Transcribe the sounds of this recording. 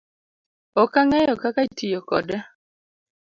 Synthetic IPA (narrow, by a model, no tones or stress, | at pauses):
ɔkaŋɛjɔkakaitijɔkɔ̰dɛ